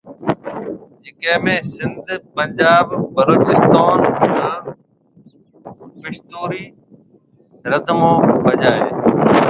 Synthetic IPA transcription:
d͡ʒeːkɛ̃ːmẽːsɪnd̪ʱpə̃ɲd͡ʒaːbbəloːt͡ʃɪst̪aːnaː | pɪʃt̪oːɾiː | ɾəd̪ʱmõːbəd͡ʒaːeː

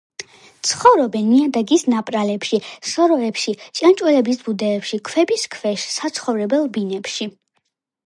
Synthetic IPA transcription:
t̪sʰχɔvɾɔbɛnːiad̪aɡisnapʼɾalɛpʃisɔɾɔɛpʃit͡ʃʼant͡ʃʼwɛlɛbisbud̪ɛːpʃikʰwɛbiskʰvɛʃsat̪sʰχɔvɾɛbɛlˠbinɛpʃi

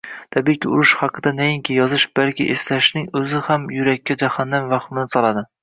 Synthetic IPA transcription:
t̪ʰabijkʲʰɪʊɾʊʃhɑqʰɨd̪anajɪŋkʲʰɪjɒzɪʃb̥alkʲɪ̰ʔeslaʃnɪŋɵzɪhamjʊɾakʲʰːad͡ʒahanːamvɑχmɪnɪsɒlˠad̪ɪ

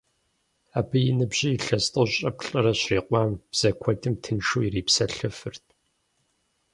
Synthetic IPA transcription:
aːbɨjɪnɨbʑiːɬɐstʼɨwɕʼɐpɬʼɐrɐɕriːqʷɑːmb̥z̥ɐkʷʰɔtʼɨmtʰɨnʃuːiriːpsɐɬɨfɨrtʰ

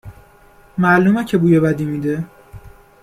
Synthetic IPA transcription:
mæluːmæcʰebuːjebæd̪iːmiːd̪e

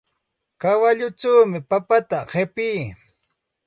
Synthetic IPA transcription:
kawaʎʊʈ͡ʂawmɪpapat̪aɢepiː

